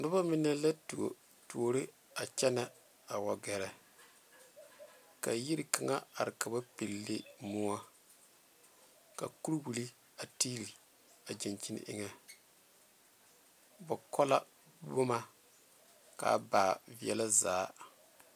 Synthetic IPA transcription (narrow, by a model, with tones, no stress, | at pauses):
nʊ˦ba˦mɪ˦nɛ˦la˦t | tu˨o˨ɾɪ˦ | a˨t͡ʃɛ˦nɛ˨ | a˨wɔ˨ɡɛ˨ɾɛ˨ | ka˨ji˦ɾi˨ka˨ŋa̰˦a˨ɾɪ˨ka˨ba˦pi˨lːe˦mʊ˦a˦ | ka̰˨ku˦ɾwu˨li˦ | a˨tiː˦li˨ | a˨d͡ʒɛ˨nt͡ʃi˦nɪ̰˦ʔɪ̰˦ŋɛ˨ | ba˨kɔ˦la˦ | bo˦ma˦ | ka̰˨˦ba˨vi˦ɛ̰˦la˦zaː˨˦